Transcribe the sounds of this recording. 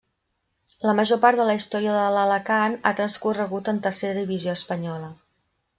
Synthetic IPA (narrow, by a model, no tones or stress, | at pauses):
ləməʒopaɾt̪ðələist̪ɔɾiəðələləkanat̪ɾənskurəɣut̪ənt̪ərseɾəðiβizioəspəɲɔlə